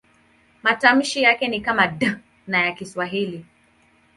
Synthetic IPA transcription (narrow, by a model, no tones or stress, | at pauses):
matam̩ʃijakɛnikamada | najakiswaɦili